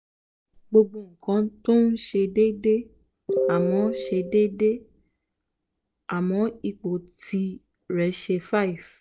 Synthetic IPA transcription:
ɡ͡bo˧ɡ͡bo˧˨ŋ̩˨kã˧˦to˦n̩˦ʃe˧de˦de˦ | a˨mɔ̃˨˦ʃe˧de˦de˦ | a˨mɔ̃˨˦i˨k͡po˨tʰi˧˦ | ɾɛ˨˦ʃe˧fa˦i˨f

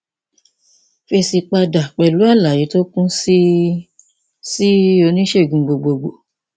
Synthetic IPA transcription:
fe˧si˧k͡pa˧da˨k͡pɛ˨lu˨˦a˦˨la˨ji˨˦to˦kũ˦si˦ | si˦o˧˦nĩ˦ʃe˦˨ɡũ˨ɡ͡bo˨ɡ͡bo˨ɡ͡bo˨

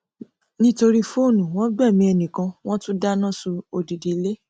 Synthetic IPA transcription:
nĩ˦to˧ɾi˦fo˦˨nũ˨w̃ɔ̃˦ɡ͡bɛ˦˨mĩ˦ɛ˨nĩ˨kã˧w̃ɔ̃˦tũ˦da˦nã˦su˧o˨di˨di˨˦le˦

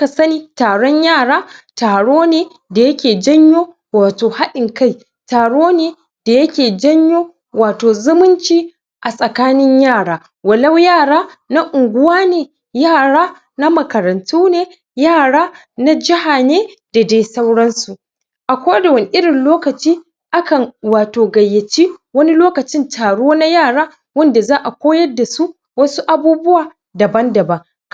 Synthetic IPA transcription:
ka˨sɐ˦niː˦taː˨ɽɔ˦ɲjaː˦˨ɽaː˦taː˨ɽoː˦neː˨ | da˨jɐ˦kʲeː˨d͡ʒɐ˦ɲjoː˦ | waː˨toː˨ha˦ɗɪ˨ŋka˦j | taː˨ɽoː˦neː˨ | d̥a˨jɐ˦kʲeː˨d͡ʒɐ˦ɲjoː˦ | waː˨toː˨zʊ˦mʊ˦nt͡ʃiː˦ | ʔa˨sʼɐ˨kaː˦nɪ˦ɲjaː˦˨ɽaː˦ | wɐ˨lɐ˦wjaː˦˨ɽaː˦ | na˦ʔʊ˨ŋɡʷʊ˦waː˦neː˨ | jaː˦˨ɽaː˦ | na˦mɐ˨kɐ˨ɾɐ˨ntuː˦neː˨ | jaː˦˨ɽaː˦ | na˦d͡ʒɪ˦ha˨neː˦d̥a˨da˦jsɐ˦wɽɐ˦nsu˨ʔ | ʔa˨kʷoː˦da˨wɐ˦ni˦ʔɪ˦ɽɪ˨nloː˦kɐ˨t͡ʃiː˦ | ʔa˦kɐ˨ŋwaː˨toː˨ɡɐ˨jːɐ˨t͡ʃi˦wɐ˦ni˦loː˦kɐ˨t͡ʃɪ˦ntʰaː˨ɽoː˦na˦jaː˦˨ɽaː˦ | wɐ˦nda˨zaː˦ʔa˨kʷoː˦jɐ˦dːa˨su˦ʔ | wɐ˦su˦ʔa˨buː˦bʊ˦waː˨ | dɐ˨bɐ˦ndɐ˨bɐ˦ŋ

